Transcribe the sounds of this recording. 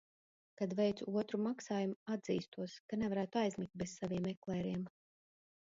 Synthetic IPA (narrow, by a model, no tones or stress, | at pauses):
kad̪vɛjt̪suuɔt̪ɾumaksaːjumuad̪ziːst̪uɔskanɛvaɾæːt̪uajzmʲik̚t̪̚bezsaviɛmɛklˠɛːɾiɛm